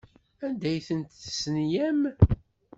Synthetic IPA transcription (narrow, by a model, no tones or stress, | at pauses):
ænd̪æjθənt̪θəsənjæm